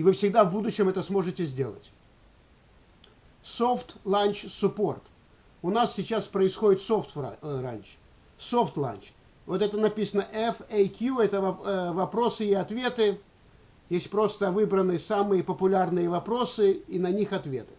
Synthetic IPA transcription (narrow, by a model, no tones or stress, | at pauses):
ɪvɨfsʲɪɡd̪avbud̪ʊɕːɪmɛt̪əsmo̞ʐɨtʲɪzʲdʲe̞̰lˠə̰tʲ | so̞ft̪lˠanʲt͡ɕsʊpo̞rt̪ | ʊnassʲɪt͡ɕːaspɾəɪsxo̞dʲɪt̪soft̪v̰ra̰nʲʃ | so̞ft̪lˠa̰nʲt͡ɕ | vo̞t̪ɛt̪ənɐpʲisənəʔɛfɛjkʲjuɛt̪əvɐvɐpɾo̞sɨɪɐt̪vʲe̞t̪ɨ | jesʲtʲpɾo̞st̪əvɨbɾənːɨjəsamɨjəpəpʊlʲarnɨjəvɐpɾo̞sɨinɐnʲixɐt̪vʲe̞̰t̪ɨ̥